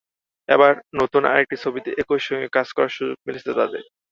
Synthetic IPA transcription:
ɛbaɾnot̪una̰ek̚ʈit͡ɕʰobit̪eʔekoʃɔŋɡekad͡ʑkɔɾaɾʃud͡ʑoɡ̚miliet̪ad̪ḛɾ

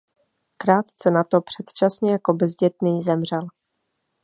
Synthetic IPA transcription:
kɾaːt̪t͡sɛnat̪o̞pr̥ɛt̪t͡ʃasɲɛjako̞bzɟɛt̪niːzɛmr̝ɛl

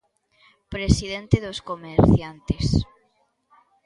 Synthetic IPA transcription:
pɾesiðent̪eðoskomeɾθjant̪es

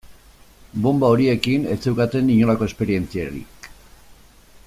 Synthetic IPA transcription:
bo̞mbaoɾie̞kine̞̰t͡sewkat̪e̞niɲo̞lako̞e̞speɾie̞nt͡siaɾḭ

